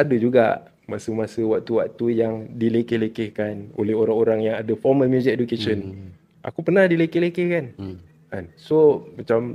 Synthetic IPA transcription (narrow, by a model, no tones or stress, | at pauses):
adəd͡ʒuɡa̰ʔ | masəmasəwak̚t̪uwak̚t̪ujaŋdilekehlekehkano̰lɛɦoɾaŋoɾaŋjaŋadafɔməlmjuzik̚edukeʃən | ʔa̰kupərnahdilekelekehkan | a̰nsomat͡ʃam